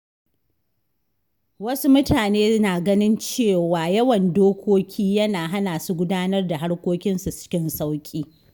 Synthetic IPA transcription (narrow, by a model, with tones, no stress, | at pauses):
wɐ˦su˦mʊ˦taː˨neː˦naː˨ɡɐ˦nɪ˦nt͡ʃeː˦˨waː˨jɐ˦wɐ˨ndoː˦kʷoː˦kʲʰiː˦jɐ˦naː˨ɦa˦naː˨su˦ɡʷʊ˦daː˦nɐ˦rda˨ɦa˦ɽkʷoː˦kʲɪ˦nsu˨t͡ʃɪ̥˦kʲɪ˦nsa˦wkʲʼiː˦